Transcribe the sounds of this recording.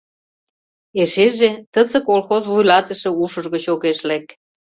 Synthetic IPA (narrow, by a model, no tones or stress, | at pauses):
eʃeʒet̪əzə̆kolxozβujlɑt̪əʃĕuʃə̆ʒɣət͡ɕoɣeʃlek